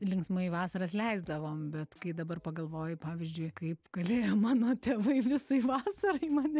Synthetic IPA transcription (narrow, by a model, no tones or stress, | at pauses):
lʲɪŋksmɐiʋɑːsɐɾɐs̬lʲɛɪzd̪ɐʋoːmbʲɛt̪kɐɪd̪ɐbɐrpɐɡɐlˠʋoːjɪpɑːʋʲɪzʲd͡ʒʲʊɪkɐɪpɡ̥ɐlʲeːjoːmɑːnoːt̪ʲeːʋɐɪʋʲɪsɐɪʋɑːsɐɾɐɪmɐːnʲɛ